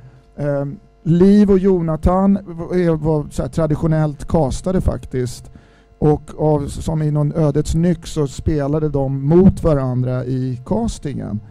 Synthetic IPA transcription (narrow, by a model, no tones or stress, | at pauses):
liːvɔjuːnat̪ʰanɛvasɔæːʈʰɾad̪ɪɧʊnɛlt̪kʰɑːst̪ad̪əfa̰kt̪ɪst̪ | ʔɔkːavsɔmɪnːɔnøːd̪ət̪snʏkːsɔspeːlad̪əd̪ɔmːʊt̪vaɾand̪ɾaʔɪkʰɑːst̪ɪŋə̰n